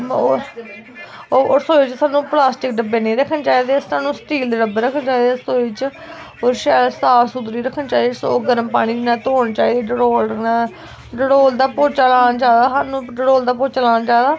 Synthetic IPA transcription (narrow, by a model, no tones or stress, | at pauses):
ooːsoːit͡ʃsaːnũːplaːsʈɪk̚ɖəbeːneːɾəkʰənt͡ʃaːid̪eːsaːnũːsʈiːld̪eːɾəbəɾəkʰənt͡ʃaːd̪esoːit͡ʃ | oːʃɛːsaːsud̪ɾiːɾəkʰənt͡ʃaːisoːɡəɾəmpaːɽ̃iːd͡ʒɪnãːt̪oːɳt͡ʃaːiːd̪eːɖəɽoːl | ɖəɽoːld̪aːpoːt͡ʃaːlaːnd͡ʒaːd̪aːsaːnũːɖəɽoːld̪aːpoːt͡ʃaːlaːnt͡ʃaːd̪aː